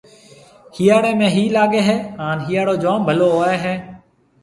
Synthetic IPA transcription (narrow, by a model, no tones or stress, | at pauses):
hiːjaːɽẽːmẽːɦiːlaːɠeːɦɛːhaːnɦiːaːɽoːd͡ʒãːmbʱəloːɦoːeːɦɛː